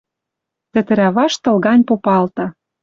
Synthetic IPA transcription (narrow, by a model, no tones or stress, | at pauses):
t̪ɘ̆t̪ɘ̆ɾæβɑʃt̪ɤ̆lɣɑnʲpopɑlt̪ɤ̆